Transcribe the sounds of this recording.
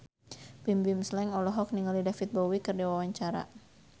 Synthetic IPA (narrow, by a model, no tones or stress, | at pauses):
b̥imbimslɛŋɔlɔɦɔk̚niŋalidafit̪̚bɔwikɨrdiwawaɲt͡ʃaɾa̰